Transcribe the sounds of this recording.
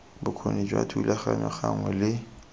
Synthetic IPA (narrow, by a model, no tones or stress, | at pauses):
bʊkʰonid͡ʒwatʰulaχanɔχaŋwɛlɪ